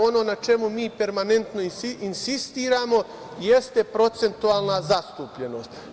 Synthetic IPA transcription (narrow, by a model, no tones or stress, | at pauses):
o̞no̞ːnat͡ʃe̞mumiːpe̞ɾmane̞nt̪no̞iinsist̪iːɾaːmo̞ | je̞st̪e̞pɾo̞t̪se̞nt̪uaːlˠnazast̪uːpʎe̞no̞ːst̪